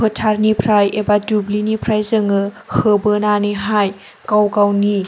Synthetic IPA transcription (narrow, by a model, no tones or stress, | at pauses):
ɯtʰaɾnipʰɾajebadublinipʰɾajzɯŋɯ | hɯbɯnaniɦaj | kawkawni